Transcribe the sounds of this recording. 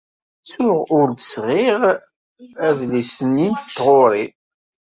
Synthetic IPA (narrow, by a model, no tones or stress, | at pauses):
sʊʁʊɾd̪əsʁɪʁ | æðlisənːint̪t̪ːʁoɾˤi